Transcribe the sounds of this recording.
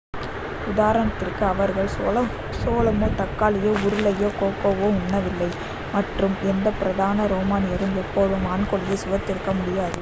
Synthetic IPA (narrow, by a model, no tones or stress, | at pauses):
ʊðaːɾɐnɐt̪ːɪrkɯɐʋɐɾɣɐɭː | soːlɐmoːt̪ɐkːaːlɪjoːʊɾɯɭɐjoːkoːkːɐʋoːʊɳːɐʋɪlːɐɪ | mɐʈrɯmɛnd̪ɐpɪɾɐðaːnɐɾoːmaːnɪjɐɾɯmɛpːoːðɯmaːɳkɔɭɪjesʊʋɐt̪ːɪɾɯkːɐmʊɽɪjaːðɯ